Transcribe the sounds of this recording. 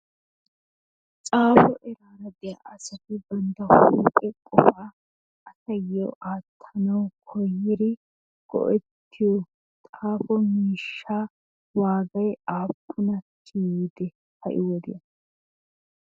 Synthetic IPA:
t͡sʼaːfɔʔɛɾaːɾɐd̪ɪja̰ʔɐsɐt̪ɪbɐnd̪ɐhuːpʼɛkʼɔfaː | ʔɐsɐjɔ̰ʔaːt̪ʰːɐnɐwkʰɔjːɛɾɪ | ɡ̥ɔ̰ʔɛt̪ʰːɪjɔ | t͡sʼaːfɔmiːʃːaː | waːɡɐjaːpːʊnɐt͡ʃːiːd̪ɛ | hɐʔɪwɔd̪ɪjɐ

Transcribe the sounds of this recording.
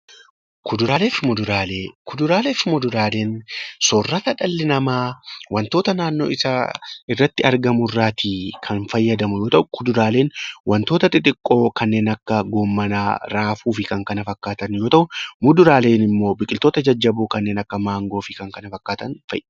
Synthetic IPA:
kʰʊd̪ʊɾaːle̞ːfɪmʊd̪ʊɾaːle̞ːkʰʊd̪ʊɾaːle̞ːfɪmʊd̪ʊɾaːle̞ːnsorːɐt̪ɐᶑɐlːɪnɐmaːwɐnt̪o̞ːt̪ɐnaːnːo̞̰ːɪsaːɪrːɐt̪ːɪɐɾɡɐmʊrːaːt̪ikʰɐnfɐjːɐd̪ɐmʊjo̞ːt̪ɐʔʊkʰʊd̪ʊɾaːle̞ːnwʔɐnt̪o̞ːt̪ɐt̪ʼɪt̪ʼɪkʼːo̞ːkɐnːe̞ːnɐkːɐɡoːmːɐnaːɾaːfuːfɪkɐŋkɐnɐfɐkːaːt̪ɐnjo̞ːt̪ɐʔʊmʊd̪ʊɾaːle̞ːnɪmːo̞ːbɪkʼɪlt̪oːt̪ɐd͡ʒɐd͡ʒːɐbuːkɐnːe̞ːnɐkːɐmaːŋɡo̞ːfɪkɐŋkɐnɐfɐkːaːt̪ɐnfɐ̰jʔ

